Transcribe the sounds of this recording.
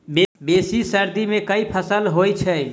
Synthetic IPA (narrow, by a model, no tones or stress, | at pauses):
bebesisəɾd̪imẽkəipʰəsəlɦojt͡ʃʰɛ